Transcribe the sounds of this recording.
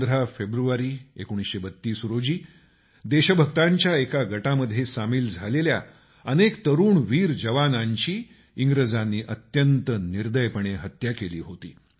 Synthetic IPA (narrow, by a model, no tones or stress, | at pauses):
d̪əɾafebɾuʋaɾiːḛkoɽ̃isɕebət̪ːiːsɾod͡ʑiː | d̪eɕəbʱəɡt̪aɲt͡ɕjaekaɡʱəʈaməd̪ʱjesamiːld͡zʱalelja̰ | ənekt̪əɾuːɳʋiːɾd͡ʑəʋanaɲt͡ɕiː | iŋɡɾəd͡zanːiːʔət̪jənt̪əniɾd̪əjpəɳ̃eɦət̪jakelḭːɦot̪ḭː